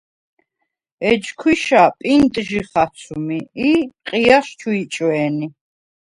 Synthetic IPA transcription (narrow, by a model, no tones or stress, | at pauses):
ɛd͡ʒkʰwiʃapʼint̪ʼʒiχat̪sʰumiiqʼiaʃt͡ʃʰuit͡ʃʼwɛːni